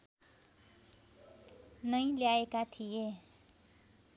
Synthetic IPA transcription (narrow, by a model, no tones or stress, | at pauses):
nʌj̃ljaekat̪ʰije